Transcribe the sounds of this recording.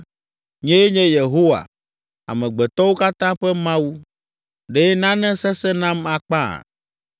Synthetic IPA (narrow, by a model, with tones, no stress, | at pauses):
ɲɛ̃˦je˦ɲɛ̃˦je˨ɦo˦wa̰˨ | a̰˨mɛ̃˨ɡ͡bɛ˨t̪ɔ˦wo˦ka˦t̪ã˦ɸɛ˦mã˦wu˦ | ɖe˨˦nã˦nɛ̃˦sɛ˦sɛ˦nã˦ma˨k͡pã̰˦˨